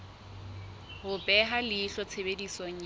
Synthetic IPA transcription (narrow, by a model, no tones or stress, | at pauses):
hʊpʼɛɦalɪχɔt͡sʰebedisɔŋ̩